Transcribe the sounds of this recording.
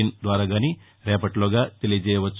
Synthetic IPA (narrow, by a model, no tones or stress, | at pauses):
ind̪ʋaɾaɡani | ɾjapəʈloɡat̪eled͡ʑeʋət͡s